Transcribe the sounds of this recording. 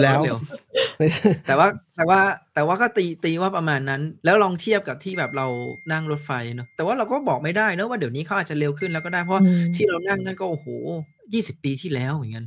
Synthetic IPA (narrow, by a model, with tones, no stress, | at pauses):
lɛː˦˥wdi˨˦ | t̪ɛː˨˩waː˥˩t̪ɛː˨˩waː˥˩t̪ɛː˨˩waː˥˩kɔː˥˩t̪iː˧t̪iː˧waː˥˩pɾa˧maː˧nːa˦˥nlɛː˦˥wlɔː˧ŋt̪ʰi˥˩əp̚ka˨˩p̚t̪ʰiː˥˩bɛː˨˩p̚ɾa˧wna˥˩ŋɾo˦˥t̪̚fa˧jnɔ˦˥t̪ɛː˨˩waː˥˩ɾa˧wkɔː˥˩bɔː˨˩k̚ma˥˩jdaː˥˩jnɔ˦˥waː˥˩d̪i˩˦niː˦˥kʰa˦˥wʔaː˨˩t̚t͡ɕa˨le˧wkʰɯ˥˩nlɛː˦˥wkɔː˥˩daː˥˩jpʰwa˥˩t̪ʰiː˥˩ɾa˧wna˥˩ŋna˦˥˩nkɔː˥˩ʔo˨˩hoː˨˩˦ | jiː˥˩si˨˩pːiː˧t̪ʰiː˥˩lɛː˨˦˥wmɯ˩˦nka˧n